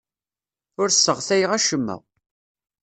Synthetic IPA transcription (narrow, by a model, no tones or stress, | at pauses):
ʊɾsːəʁθæjəʁæʃəmːə̰ʁ